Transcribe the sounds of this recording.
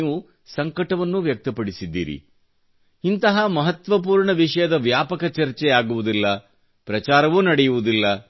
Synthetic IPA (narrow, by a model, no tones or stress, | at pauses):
ʋu | sɐŋkɐʈɐʋɐnːuʋjɐk̚t̪ɐpɐɽisid̪ːḭːɾḭ | int̪ɐɦɐmɐɦɐt̪ʋɐp̬uːɾɳɐʋiʂɐjɐd̪ɐʋjaːpɐkɐt͡ʃɐɾt͡ʃɛaːɡuʋud̪ilːɐ | pɾɐt͡ʃaːɾɐʋunɐɽɛjuʋud̪ilːɐ